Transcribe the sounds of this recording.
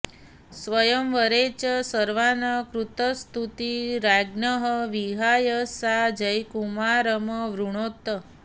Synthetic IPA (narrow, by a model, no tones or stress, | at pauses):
sʋəjəmʋəɾet͡ʃəsəɾʋanəkɾut̪əst̪ʰut̪iɾaɡnəɦəʋiɦajəsad͡ʒəjkumaɾəməʋɾuɳ̃ot̪ːə